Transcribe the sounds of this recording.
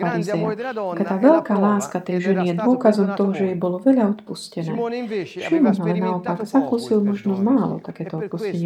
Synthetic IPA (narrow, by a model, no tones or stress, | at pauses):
aɾizɛat̪akat̪aːʋɛʎkaːlaːskat̪ɛjʒɛnijɛd̪ʋʊɔkazɔmt̪ɔɦɔʒɛjɛbɔlɔʋɛʎaɔt̪puscɛnɛ̰ːfʃimɔmalɛnaɔpaɡzakuːsilmɔʒnɔmaːlɔ̰t̪akɛːt̪ɔɔt̪̚puscɛɲɪ